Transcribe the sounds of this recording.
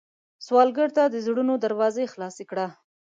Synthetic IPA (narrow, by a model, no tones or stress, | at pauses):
swɑlɡəɾt̪ad̪əzɽunod̪aɾwɑzexlɑsikɽa